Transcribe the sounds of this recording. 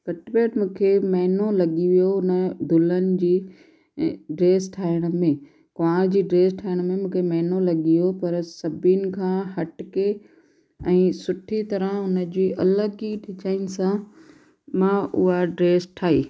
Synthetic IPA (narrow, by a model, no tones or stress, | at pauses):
kɐʈɪbeːʈmũːkʰemɐɦɪnolɐɠiʋijoʊnəd̪ʱʊlənɪ̆d͡ʑiː | ɖɾeːsʈʰaːɪɽ̃əmẽ | kãːɾd͡ʑiːɖɾeːsʈʰaːɪɽ̃̆mẽmũːkʰemɐɦɪnolɐɠiopɐɾsɐbinɪ̆kʰãːɦɐʈɪke | ɛ̃ːsʊʈʰit̪ɐɾəɦʊnə̆d͡ʑiːʔɐləɡiɖɪt͡ɕaːɪnɪ̆sã | mãːʔʊɦaɖɾeːsʈʰaːɦiː